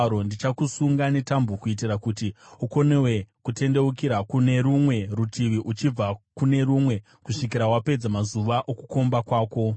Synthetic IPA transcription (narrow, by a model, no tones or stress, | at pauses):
ɾondit͡ʃakusuŋɡane̞tambukuit̬irakutiuko̞ne̞we̞kute̞nde̞ukiɾakune̞ɾumwe̞rutʰiʋiʔut͡ʃib͡vakune̞ɾumwe̞ | kuʂik̬iɾawape̞d͡zamazuʋaʔoku̥ko̞mbakwaːko̞